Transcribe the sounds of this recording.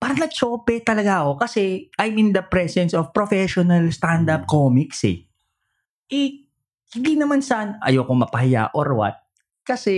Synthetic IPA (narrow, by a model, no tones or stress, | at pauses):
paːɾɐnɐt͡ʃoːpɛt̪ɐlɐɡaʔɐko̞kɐsɛʔajmɪnd̪ɐpɾɛsɛnsofpɾofɛʃonɐlst̪and̪ɐp̚koːmiksɛ̰ | ʔɛ | hɪnd̪inɐmansɐʔanʔɐ̰joːkoŋmɐpɐhɪja̰ʔoɾwɐ̰t̪̚ | kɐsɛ